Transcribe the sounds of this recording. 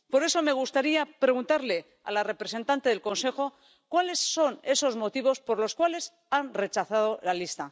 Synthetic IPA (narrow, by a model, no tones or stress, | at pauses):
po̞ɾe̞so̞me̞ɣ̞ust̪aɾiapɾe̞ɣ̞unt̪aɾle̞ | a̰lare̞pɾe̞se̞nt̪ant̪e̞ðe̞lko̞nse̞xo̞ | kwale̞sːo̞ne̞so̞zmo̞t̪iβo̞spo̞ɾlo̞skwale̞s | anre̞t͡ʃaθað̞o̞lalist̪a